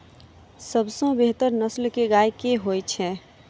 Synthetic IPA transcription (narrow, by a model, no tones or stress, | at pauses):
səbsõbeɦt̪əɾnəslkeɡaːjkeɦojt͡ʃʰɛː